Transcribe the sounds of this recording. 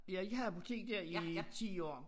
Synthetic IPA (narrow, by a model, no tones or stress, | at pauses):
b̥lijɑ̈e̝ɡ̥əhæpʰot͡sʰḭɡ̥̚d̥æɐ̰it͡sʰḭːɒ̰ː